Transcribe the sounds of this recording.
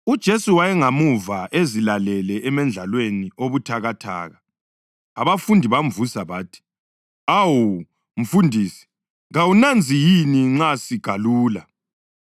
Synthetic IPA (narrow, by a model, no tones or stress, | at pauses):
ud̥ʒ̥ʱesuwajɛŋamuvaʔezilalɛlɛʔɛmɛnd͡ɮʱalwenioβutʰaɣatʰa̰ːɣa | aβafundʱiβaɱvusaβaːtʰi̥ | awo | m̩fundʱiːsi̥ | ɣawunand͡zʱijiniŋ͡ǀasiɡ̥ʱaluːla